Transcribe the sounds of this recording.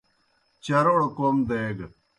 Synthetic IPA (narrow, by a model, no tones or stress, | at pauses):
t͡ɕɐɾoɽkomd̪eɡ